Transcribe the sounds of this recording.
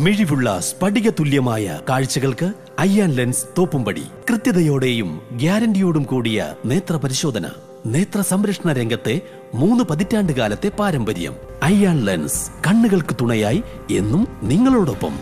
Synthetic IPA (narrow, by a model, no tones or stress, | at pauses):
miɻiʋuɭːɐ̰spɐɽiɣɐt̪uljɐmaːjɐ̰kaːɻt͡ɕːɐɣɐɭkɨ | ɐjːaːnlenst̪o̞ːpːumpɐɽḭkrɨt̪jɐðɐjo̞ːɽe̞ːjumɡjaːɾɐndijo̞ːɽumkuːɽijɐ̰ne̞ːt̪rɐpɐɾiɕo̞ːd̪ʱɐnɐ̰ | ne̞ːt̪rɐsɐmɾɐkʂɐɳɐɾe̞ŋɡɐt̪ːe̞ | muːnːɨpɐðitːaːɳɖɨkaːlɐt̪ːe̞paːɾɐmbɐɾijɐ̰m | ɐjːaːnlḛnskɐɳːuɣɐɭkɨt̪uɳɐjaːji | e̞̰nːumniŋːɐɭoːɽo̞pːɐ̰m